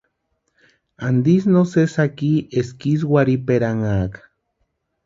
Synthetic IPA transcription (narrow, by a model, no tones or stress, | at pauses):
and̪is̬nosesakieskis̬waɾipeɾaŋaːk